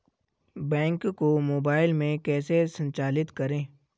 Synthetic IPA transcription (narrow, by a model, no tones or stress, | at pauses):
bɛ̃ːŋkkomoːbaːɪlmẽkɛːsesə̃ɲt͡ʃaːlɪt̪kɐɾẽː